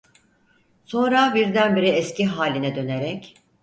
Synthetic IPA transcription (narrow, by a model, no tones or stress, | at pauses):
so̞nɾabiɾd̪ænbiɾɛɛscʰiɦaːlʲinɛd̪ø̞neɾɛc